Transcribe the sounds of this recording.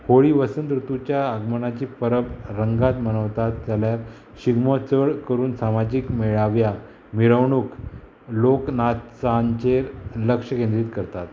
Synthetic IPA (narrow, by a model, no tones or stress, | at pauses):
hoɭiʋəsənt̪ɾut̪ut͡ɕjaəɡməɳat͡ɕiːpəɾəbɾəŋɡat̪mənəʋt̪at̪̚d͡zaljaɾ | ɕiɡmot͡səɭkəɾuːnsamad͡ʑikmeɭaʋja | miɾəʋɳuk | loknat̪t͡saɲt͡ɕeɾləkʂəkẽnd̪ɾiːt̪kəɾt̪at̪